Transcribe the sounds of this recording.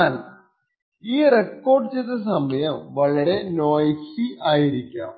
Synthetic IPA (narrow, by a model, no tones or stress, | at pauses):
aːl | iːrekːo̞ːrɖɨt͡ɕeːt̪ːɐsɐmɐjɐmʋɐɭɐɾe̞no̞ːjsiʔaːjiɾikʲːa̰ːm